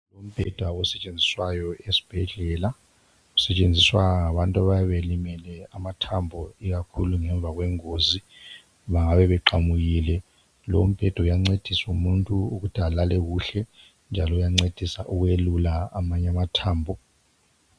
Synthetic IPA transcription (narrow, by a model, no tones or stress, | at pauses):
lom̩b̥ʱɛd̥ʱwaɔsɛt͡ʃʼend͡zʱiswajɔesi̥b̥ʱɛɮɛːla | usɛt͡ʃʼend͡zʱiswaaŋaβantʼaβajaβelimɛlɛamatʰambʱɔiɣakʰṵluŋɛɱb̪vʱaɣwɛŋozi | βaŋaβɛβɛǃamuɣiːlɛ | lo̰m̩b̥ʱɛd̥ʱaujaŋ͡ǀed̥ʱisumuntʼuuɣud̥ʱalalɛɣuɬɛ | nd͡ʒʱalɔujaŋ͡ǀed̥ʱisaʔuɣwelulaamaɲamatʰaːmbʱɔ